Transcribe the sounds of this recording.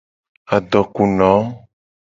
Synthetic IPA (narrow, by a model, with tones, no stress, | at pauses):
a˨ɖɔ˨ku˨nɔ̃˨˦